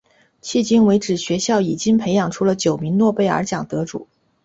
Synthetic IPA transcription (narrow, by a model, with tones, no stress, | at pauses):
t͡ɕʰi˥˩t͡ɕi˥ŋwe˧˥ɪʈ͡ʂɻ̩˨˩ɕɥɛ˧˥ɕjɑ˥˩ʊi˨˩t͡ɕi˥ŋpʰe˧˥ɪjɑ˨˩ŋʈ͡ʂʰu˧˥lə˧t͡ɕjo˨˩ʊmi˧˥ŋnwɔ˥˧pe˥˩ɪə̰˞˧˥t͡ɕjɑ˨˩ŋt̪ɤ˧˥ʈ͡ʂṵ˨˩˦